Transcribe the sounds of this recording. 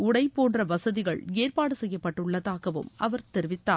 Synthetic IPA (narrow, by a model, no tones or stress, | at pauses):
ʊɽɐɪpːoːndrɐʋɐsɐðɪɣɐɭeːrpaːɽɯsɛjːɐpːɐʈːɯɭːɐðaːɣɐʋɯ̰mɐʋɐɾt̪ɛɾɪʋɪt̪ːaː